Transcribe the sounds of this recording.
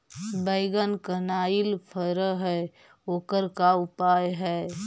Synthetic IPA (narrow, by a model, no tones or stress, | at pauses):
bəɪɡənkənaːɪlpʰəɾəɦɛ | oːkəɾkaʊpaːjɦɛː